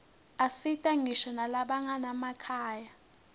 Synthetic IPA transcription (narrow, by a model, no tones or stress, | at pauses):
asitʼaŋiʃanalaɓaŋanamakʰaːja